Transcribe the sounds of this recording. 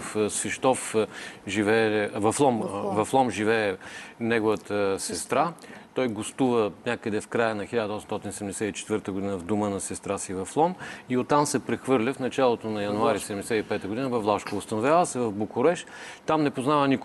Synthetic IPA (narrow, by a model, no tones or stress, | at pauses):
fsɛʃt̪ɔfʒivɛvɐflˠɔmvɐflˠɔmʒivɛɛnɛɡʊvət̪əsɛst̪ɾat̪ɔjɡost̪uvənʲakəd̪ɛfkɾajənɐxilʲad̪əɔsɛmsɔt̪insɛd̪ɛmd̪ɛsɛt̪it͡ʃɛ̥t̪vɤɾt̪əɡʊd̪inəvd̪omənɐsɛst̪ɾasivɐflˠɔmiot̪ːamsɛpɾɛxvɤɾlʲəfnɐt͡ʃalˠot̪onɐjɐnʊaɾisɛd̪ɛmd̪ɛsɛt̪ipɛt̪əɡʊd̪inəvɐflˠaʃkoʊst̪ɐnʊvʲjavəsɛvɐvbokʊɾɛʃ | t̪amnɛpoznavənik